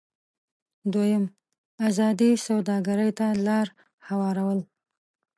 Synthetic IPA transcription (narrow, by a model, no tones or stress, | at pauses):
d̪wojəm | azɑd̪isawd̪ɑɡaɾəjt̪alɑɾ | hawɑɾawəl